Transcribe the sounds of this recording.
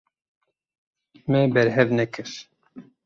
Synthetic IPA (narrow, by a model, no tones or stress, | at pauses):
mɛbɛɾɦɛvnɛkʰɨɾ